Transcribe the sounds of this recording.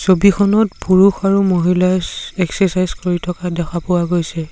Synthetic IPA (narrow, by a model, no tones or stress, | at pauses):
sobikʰɔnɔtpuɹuxaɹumoɦilasɛksɛsajzkoɹitʰɔkadɛkʰapʊwaɡojsɛ